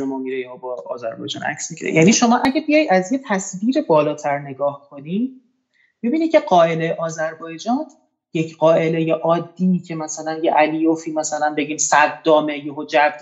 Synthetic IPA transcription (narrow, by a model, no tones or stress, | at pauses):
emɒmiɾejɒːbɒ̰ːzæɾbɒ̰jd͡ʒɒ̰ːnʔæ̰csmiɟiɾḛjʔæniʃo̞mɒːʔæɟæbijɒjd̪æzjet̪ʰæsbiːɾebɒːlɒːt̪ʰæɾne̞ɡɒːhkʰo̞ni̥ː | bibiːniːd̪̚cʰe̞ɢɒːe̞lejʔɒːzæɾbɒːjed͡ʒɒːn | jecʰɢɒːʔe̞lejeʔɒːd̪ːicʰe̞mæsælænjeʔælijofiːmæsælænbe̞ɟiːmsæd̪ːɒːmejeɦod͡ʒæbd̪